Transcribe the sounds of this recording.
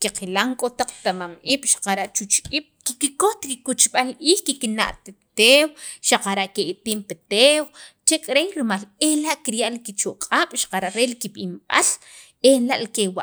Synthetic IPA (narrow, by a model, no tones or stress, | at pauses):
kiqilaŋkʼot̪aq͡χt̪amamʔiɓ̥ʃḁqaɾaʔt͡ʃut͡ʃiɓ̥kikikoht̪ɾikut͡ʃɓalʔiːhkikina̰ʔt̪et̪ewʃaqaɾaʔkeʔit̪iːmpet̪ewt͡ʃekʼɾejɾimalehlaʔkiɾjaʔlikit͡ʃoʔqʼaːɓ̥ʃḁqaɾaʔɾelikiɓimɓa̰l | ehlaʔlikewa̰ʔ